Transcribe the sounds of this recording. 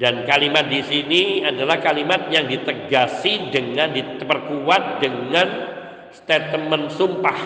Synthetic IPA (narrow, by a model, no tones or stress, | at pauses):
dankalimat̪̚disiniadalahkalimat̪̚jaŋdit̪əɡasidəŋandipərkuwat̪̚dəŋan | st̪et̪əmənsumpah